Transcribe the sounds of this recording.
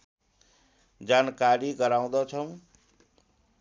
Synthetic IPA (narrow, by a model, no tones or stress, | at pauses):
d͡ʒankaɾiɡʌɾaw̃d̪ɔt͡ʃʰʌw̃